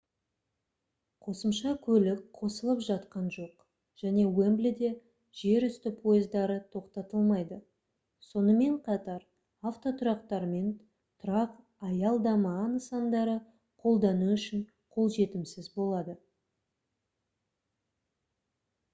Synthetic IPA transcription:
qʰo̞səmʃɑkʲʰɵlɪk̚qʰo̞səlˠəpʒɑt̪qɑnʒo̞q | ʒ̥æne̞wemblɪd̪e̞ | ʒ̥e̞ɾʏst̪ɪpʰo̞jɪzd̪ɑɾət̪ʰo̞qt̪ɑt̪əlˠmɑjd̪ə | so̞nəme̞ɴqʰɑt̪ɑɾ | aft̪o̞t̪ʰʊɾɑqt̪ɑɾme̞n | t̪ʰʊɾɑq | ɑjɑlˠd̪ɑmɑnəsɑnd̪ɑɾə | qʰo̞lˠd̪ɑnuʏʃɪn | qʰo̞lˠʒe̞t̪ɪmsɪzbo̞lˠɑd̪ə

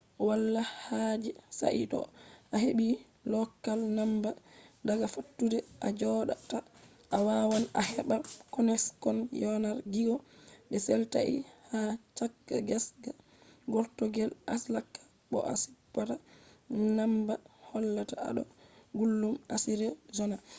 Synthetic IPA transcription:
walːahad͡ʒɛsa̰ʔḭtɔ̰ʔaɦeɓi | lɔkːalnambadaɡafatːudɛʔad͡ʒɔɗata | ʔawawana̰hɛɓakɔnɛskɔnjɔnaɾɡiɡɔɓɛsɛlta̰ʔḭhat͡ʃakːa̰ɡasɡa | ɡɔɾtɔɡɛlʔaslakːḁ | ɓɔ̰ʔa̰si̥pːata | nambahɔlːataa̰ɗɔ̰ɡulːumasiɾɛzɔna

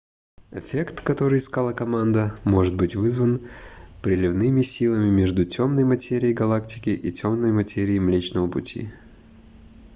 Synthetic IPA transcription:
ɪfʲekt̪kɐt̪o̞ɾɨɪskalˠəkɐmand̪əmo̞ʐɨt̪̚bɨtʲvɨzvənpɾʲɪlʲɪvnɨmʲɪsʲilˠəmʲɪmʲeʐd̪ʊtʲʰo̞mnəjmɐtʲeɾʲɪːjɡɐlˠaktʲɪ̥kʲɪʔitʲo̞mnəjmɐtʲeɾʲɪːmlʲet͡ɕnəvəpʊ̰tʲḭ

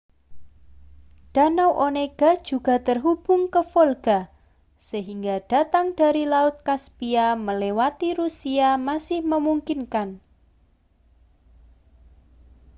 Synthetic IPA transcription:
d̥a̤nawʔoneɡ̥ad̥ʒ̥uɡ̥a̤t̪ərɦub̥ʊŋkəfolɡ̥a | səɦiŋɡaɖ̥a̤t̪aŋd̥aɾilaʊt̪̚kaspiaməlewat̪iɾusiamasɪhməmuŋkinkan

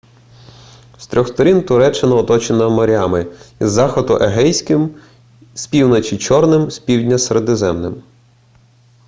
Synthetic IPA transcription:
st̪ɾʲɔxst̪ɔɾʲint̪ʊɾɛt͡ʃːɪnɐɔt̪ɔt͡ʃenɐmɔɾʲɑmɪizːɑxɔd̪ʊ̰ʔeɦɛjsʲkɪm | spʲiwnɔt͡ʃʲit͡ʃɔrnɪmsʲpʲiwdʲnʲɐseɾed̪ɪzɛmnɪ̰m

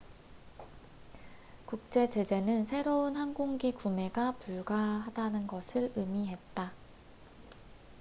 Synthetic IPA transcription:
kuk̚t͡ɕ͈e̞t͡ɕe̞d͡ʑe̞nɯnsʰe̞ɾounhanɡoŋɡikume̞ɡapuɭɡaɦadanɯnɡʌsʰɯɾɯmiɦe̞t̚t͈a

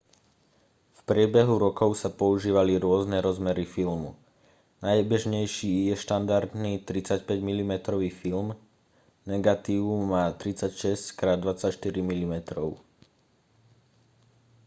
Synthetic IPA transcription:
fpɾɪɛbɛɦuɾɔkɔʊsapɔuʒiːʋaliɾʊɔznɛɾɔzmɛɾifilmṵ | najbɛʒɲɛjʃiːjɛʃt̪and̪aɾd̪niːt̪ɾit͡sacpɛɟmilimɛt̪ɾɔʋiːfilm | nɛɡat̪iːummaːt̪ɾit͡sacʃɛsckɾaːd̪ʋat͡sacʃt̪iɾimilimɛt̪ɾɔʊ

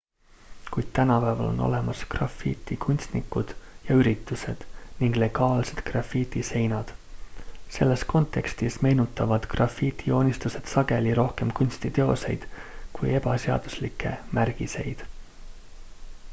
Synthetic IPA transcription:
kujd̪̥̚t̪ænɑpæːvɑ̰lo̞̰no̞̰le̞mɑskrɑ̰fiːt̪ːˑikunʲst̪nikːˑud̪̥jɑyɾit̪ːˑuse̞d̪̥niŋɡ̥le̞ɡ̥ɑːlse̞̥d̪̥krɑfit̪ʲise̞jnɑd̪̥ | se̞lːe̞sko̞nt̪ˑːe̞kst̪isme̞jnut̪ːˑɑvɑd̪̥krɑfit̪ʰio̞ːnʲist̪use̞d̪̥sɑɡ̥e̞liɾo̞hke̞mkunʲst̪it̪e̞o̞̰se̞̰jd̪̥kuje̞b̥ɑseɑ̰d̪̥uslikʰːˑe̞̰mærɡ̥ise̞jd̪̥

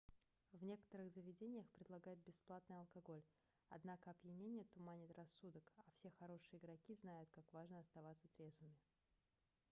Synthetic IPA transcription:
vnʲe̞kə̥t̪əɾɨɣzəvʲɪdʲenʲɪjəxpɾʲɪd̪lˠɐɡajɪt̪̚bʲɪsplˠat̪nɨjɐlˠkɐɡo̞lʲ | ɐ̰d̪nakəɐbjɪnʲenʲɪjət̪ʊmanʲɪt̪rɐsːud̪əkɐfsʲe̞xɐɾo̞ʂɨjəɪɡɾɐkʲiznajʊt̪̚kakvaʐnəɐst̪ɐvat̪sət̪ɾʲe̞zvɨmʲɪ

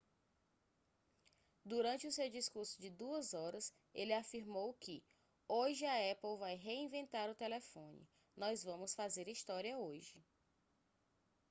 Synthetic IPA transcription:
d̪uɾɐ̃nt͡ʃɪʊsewd͡ʒiskuɾsʊd͡ʒɪd̪uɐzɔɾɐs | elɪafiɾmowkɪ | oʒɪɐɛpewvajɦeĩvẽnt̪aɾʊt̪elefõnɪ̰ | nɔjzvɐ̃mʊsfazeɾist̪ɔɾiɐoʒɪ

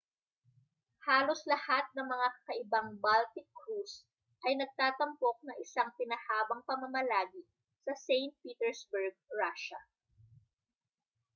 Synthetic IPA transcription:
haːloslɐhat̪̚nɐŋmɐŋakɐʔɪbaŋbalt̪ɪkːɾus | ʔɐjnɐɡ̚t̪aːt̪ɐmpo̞k̚nɐŋɪsaŋt̪ɪnɐhaːbɐŋpɐmɐmɐlaːɡi | sɐsɛjnt̪̚piːt̪ɛɹsbɛɹɡ̚ɹaʃɐ

